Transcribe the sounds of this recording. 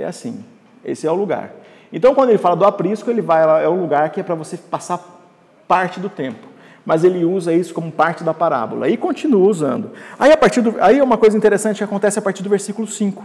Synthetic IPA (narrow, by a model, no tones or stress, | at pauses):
ɛ̰asḭ̃ | ḛsɪɛʊluɡa̰ɾ | ẽt̪ɐ̃w̃kwɐ̃d̪elɪfalɐd̪ʊapɾiskʊelɪvajlaɛʊluɡaɾkɪɛpɾɐvosepasaɾ | paɾt͡ʃɪd̪ʊt̪ẽpʊ̥ | mɐzelɪuzɐisʊ̥kõmʊpaɾt͡ʃɪd̪ɐpaɾa̰bʊ̰lɐ̰ɪkõnt͡ʃinuɐuzɐ̃nd̪ʊaiapaɾt͡ʃiɾd̪ʊaiɛũmɐkojzɐĩnt̪eɾesɐ̃nt͡ʃɪkɪakõnt̪ɛsɪapaɾt͡ʃiɾd̪ʊveɾsikʊlʊsĩkʊ̥